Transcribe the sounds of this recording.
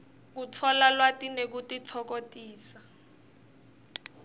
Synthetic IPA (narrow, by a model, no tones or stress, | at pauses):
k̬utʰɔlalwatinek̬utit͡sʰɔk̬otʼiːsa